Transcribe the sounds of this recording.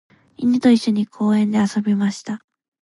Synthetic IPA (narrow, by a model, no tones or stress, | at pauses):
iɲit̪oiɕːo̞ɲ̟ikʰo̞ːẽ̞nd̪e̞aso̞bʲimaɕi̥t̪a